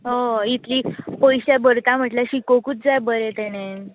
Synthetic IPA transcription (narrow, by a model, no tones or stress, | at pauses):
ɦoit̪liːpəjɕabəɾt̪am̤əʈljaɕikokut͡sd͡zajbəɾet̪ɛɽ̃e